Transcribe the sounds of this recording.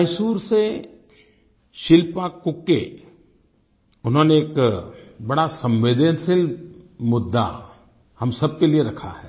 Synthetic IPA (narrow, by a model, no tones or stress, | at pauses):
əjsuːɾse | ʃɪlpakʊkːḛ | ʊnɦõːneːk | bɐɽasɐ̃mʋɪd̪ensɪlmʊd̪ːa̰ | hɐmsɐb̚kelieɾɐkʰa̰ɦɛː